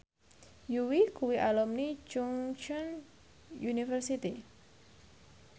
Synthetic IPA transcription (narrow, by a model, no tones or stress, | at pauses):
juwikuwiʔalɔmni̥t͡ʃʊŋt͡ʃɔn | junifərsit̪i